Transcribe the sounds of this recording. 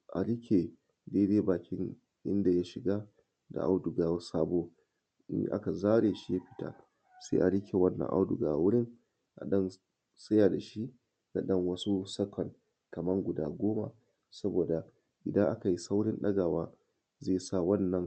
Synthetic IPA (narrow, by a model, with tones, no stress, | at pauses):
ʔa˨ɽɪ˦kʲe˨ | deː˦deː˦baː˨kʲɪ˦ŋ | ʔɪ̰˦nda˨ja˦ʃɪ˨ɡa˦ | da̰˨ʔa˦wdʊ˨ɡaː˨wsaː˦bo̰˦ | ʔa̰˦ka˨zaː˦ɽeː˨ʃi˦ja˦ɸɪ̥˦ta̰˨ | sḛː˦ʔa̰˨ɽɪ˦kʰʲe˨wɐ˦nːɐ̰˨ŋʔa̰˦wdʊ̰˨ɡa̰ː˨wʊ˦ɽɪ˦ŋ | ʔa̰˨ɗɐ˦n | sɐ˦ja˨da˨ʃi˦ | na̰˨ɗɐ˦ŋwɐ˦su˦sɐ˦kɔ˨ŋ | kɐ˨mɐ˦ŋɡʷʊ˨da̰ː˦ɡʷoː˦ma̰˨ | sɐ˦boː˨da˨ | ʔɪ˨dɐ˦ʔa˦ka˨ji˦sa˦wɽɪ˦nɗɐ˦ɡa˨waː˦ | zeː˦˨sa˦˨wɐ˦nːɐ˨ŋ